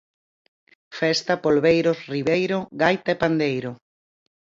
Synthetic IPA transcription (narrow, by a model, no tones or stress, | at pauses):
fɛst̪apolβejɾosriβejɾoɣajt̪aepand̪ejɾʊ